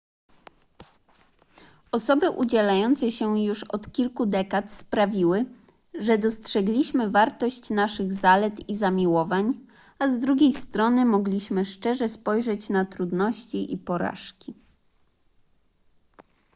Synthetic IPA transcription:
ɔsɔbɘʔud͡ʑɛlajɔnt̪sɛɕɛjuʂɔt̪kʲilkud̪ɛkat̪spɾavʲiwɘ | ʐɛd̪ɔstʂɛɡlʲiɕmɘvaɾt̪ɔɕt͡ɕnaʂɘɣzalɛt̪izamʲiwɔvaɲ | azd̪ɾuɡʲejst̪ɾɔnɘmɔɡlʲiɕmɘʂt͡ʂɛʐɛspɔjʐɛt͡ɕnat̪ɾud̪nɔɕt͡ɕiʔipɔɾa̰ʂkʲi

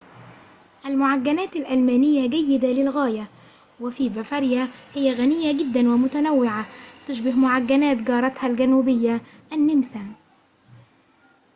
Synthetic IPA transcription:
ʔalmʊʕaɡːanaːt̪alʔalmaːnɪjːaɡajːɪd̪alɪlɣaːja | wɪfiːbafɑɾjahɪjːaɣanɪjːaɡɪd̪ːanwɪmʊt̪anawːɪʕat̪ʊʃbɪhmʊʕaɡːanaːt̪ɡɑːɾˤɑt̪halɡanuːbɪjːa | ʔanːɪmsa

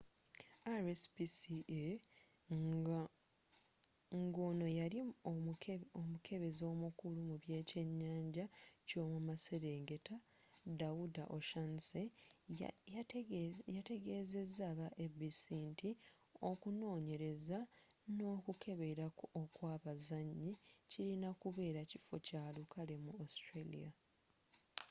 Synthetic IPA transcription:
aɾespisie | ŋɡo̞ːno̞jaɾi | omukʰe̞βe̞zo̞ːmukulumuβje̞ːce̞ɲːaːɲɟaco̞ːmumase̞ɾe̞ːŋɡe̞tadaudaʔoʃanse | jate̞ɡe̞ːze̞zːaːβaʔebisiːnti | o̞kuno̞ːɲe̞ɾe̞zano̞ːkukʰe̞βe̞ɾaokwaːβazaɲːiciɾinakuβe̞ːɾaci̥fo̞̰caːlukʰale̞muastɾelḭja

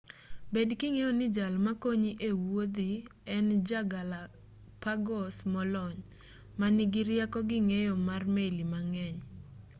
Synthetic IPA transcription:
bedkɪŋejonɪd͡ʒalmakoɲiʔewod̪iɛnd͡ʒaɡala | paɡɔsmɔlɔɲ | manɪɡɪɾjakɔɡɪŋejɔmarmelimaŋɛɲ

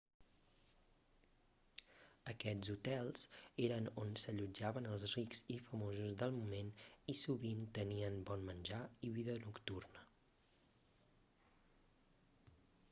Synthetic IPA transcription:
əkɛzut̪ɛlˠz̥eɾənonsəʎud͡ʒaβənəlˠzrikzifəmozuzðəlˠmumenisuβint̪əniənbɔnmənʲʒaiβiðənukt̪urnə

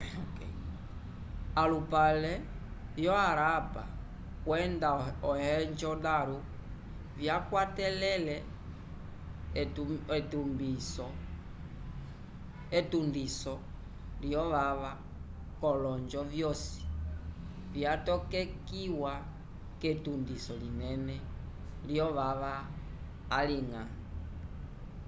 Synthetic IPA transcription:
alupalɛ | vjɔaɾapa̰ | kwɛndaɔhɛɲd͡ʒɔdaɾu | vjakwatɛlɛlɛ | ɛtumbisɔ | etundisɔ | liɔʋaʋa | kɔlɔɲd͡ʒɔvjɔsi̥ | vjatɔkɛkiwa | ketundisɔlinɛnɛ | liɔʋaʋaː | liŋa̰

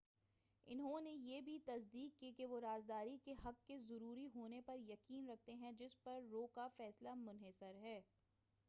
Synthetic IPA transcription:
ɪnɦõnejeːbʱit̪ɐsd̪iːkːikeʋoɾaːzd̪aːɾikeɦɐkːezɐɾuːɾiɦoːnepɐɾjɐkiːnɾɐk̚ʰt̪eɦɛ̃d͡ʒɪspɐɾːoːkafɛːslamʊnɦesəɾɦɛː

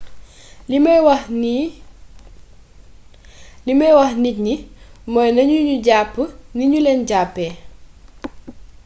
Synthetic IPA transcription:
limw | limɐjwɐxnic̚nimɔjnɐɲuɲuɟapːəniɲulɛnɟaːpːɛː

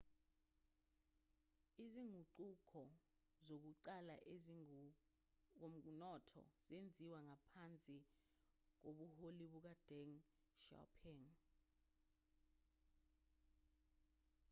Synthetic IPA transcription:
iziŋʱuǃukʰɔ | zok̬uǃala̰ʔe | om̩nɔtʰɔ̰zend͡zʱiwaŋapʰant͡sʼi | k̬oɓuholiɓuk̬ad̥ɛŋ | ʃa̰pʰɛŋ

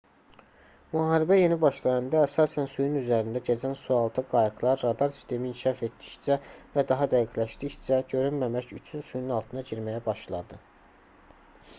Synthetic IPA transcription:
muɦɑːɾibæje̞nibɑʃlˠɑjɑnd̪ɑːsɑːsænsujynyzæɾind̪æɟed͡ʒænsuɑlˠt̪ʰɯɡɑjɑɡlˠɑɾːɑd̪ɑɾsi̥st̪ʰe̞miːncʰiʃɑfe̞t̪d̪içt͡ʃævæd̪ɑɦɑd̪æjikʰlæʃd̪içt͡ʃæɟø̞ɾynmæmæçyt͡ʃʰynsuj̪ynɑlˠt̪ʰɯnɑɟiɾmæjæbɑʃlˠɑ̰d̪ɯ

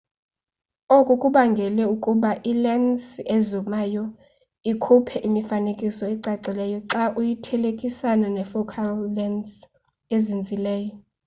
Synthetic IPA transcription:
okʼukʼuɓaŋɡʱɛlɛukʼuɓaʔilɛnsezumaːjɔ | ikʰupʰɛʔimifanekʼisɔɛǀaǀilɛjɔǁaʔujitʰɛlekʼisananɛfɔkʰalːɛns | ezind͡zʱilɛːjɔ

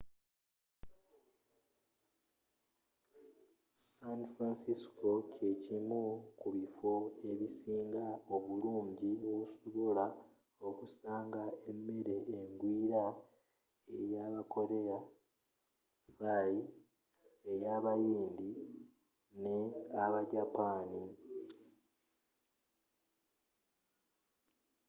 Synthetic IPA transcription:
sanfɾansisko̞ce̞cimukuβifo̞e̞βisiːŋɡao̞βuluːɲɟiwosoβola | o̞kusaːŋɡae̞mːe̞ɾe̞ʔːŋɡwiːɾa | e̞̰ɾjaːβako̞ɾe̞ja | faːji | ejaːβajiːnd̪i | ne̞aβaɟapaːni

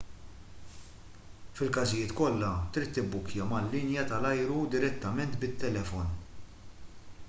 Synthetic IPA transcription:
fɪlkɐzɪjɪːt̪kɔlːɐt̪ɾit̪ːɪbːʊkjɐmɐlːɪnjɐt̪ɐlɐjɾud̪ɪɾɛt̪ːɐmɛnt̪bɪt̪ːɛlɛfɔn

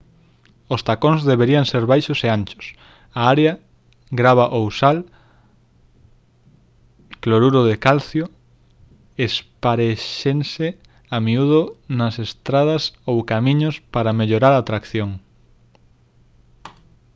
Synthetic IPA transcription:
ost̪akoŋzðeβeɾiaŋseɾβajʃoseãnt͡ʃʊ̥s | aaɾeɐ | ɡɾaβaʔowsal | kloɾuɾoðekalθjo | espaɾeʃense | amiuðonɐsest̪ɾað̞ɐsowkamĩɲʊspaɾameʎoɾaɾaːt̪ɾakθjoŋ

